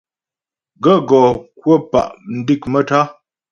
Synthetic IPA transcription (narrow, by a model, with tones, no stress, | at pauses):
ɡə˦˨ɡɔ˨kwə˦pa̰˨ʔn̩˨˦di˦˨k̚mə˦ta˦